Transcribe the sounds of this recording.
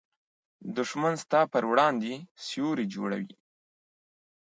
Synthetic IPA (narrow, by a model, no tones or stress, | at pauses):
d̪ʊʂmanst̪ɑpəɾwɽɑnd̪esjoɾed͡ʒo̰ɽa̰wḭ